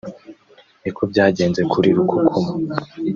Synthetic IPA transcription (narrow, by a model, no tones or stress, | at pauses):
nikʰo̞bɟaːɟe̞ːnze̞kʰuɾiɾukʰokʰoma